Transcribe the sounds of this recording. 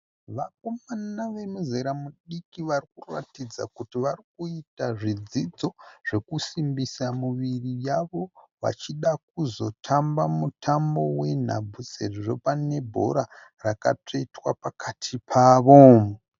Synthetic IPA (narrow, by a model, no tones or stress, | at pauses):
ʋako̞manaʋe̞muzeɾamuɗikiʋarik̚ura̰tid͡za̰kutiʋarik̚uitaʐid͡zid͡zo̞ʐ̥e̞kusimbisamuʋirijaʋo̞ | ʋa̰t͡ʃiɗak̚uzo̞tʰambamutʰambo̞we̞n̤a̰bʱut͡seriʐo̞pane̞bʱo̞̰ɾa | raka̰tʰo̞itwa̰pakʰatʰipʰaːʋom